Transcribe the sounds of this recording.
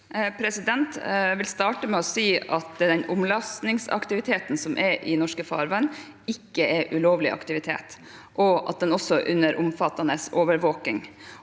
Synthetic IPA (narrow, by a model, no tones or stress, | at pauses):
pʰɾɛsɪd̪ɛnt̪ʋɪlst̪ɑːʈəmɛɔsiːɑt̪d̪ɛnʔʊmlɑst̪nɪŋsɑ̰kt̪ɪʋɪt̪ʰeːt̪n̩sɔmʔɛɾʔɪnɔʂkəfɑ̰ːɾʋæɳ | ɪkːəʔɛɾʔʉloːʋlɪ̰ʔɑ̰kt̪ɪʋɪt̪ʰḛːt̪ | ʔɔʔɑ̰t̪̚d̪ɛnɔsɔʔʉnːəɾʔʊmfɑt̪ːɑnəsoːʋəɾʋoːkɪŋ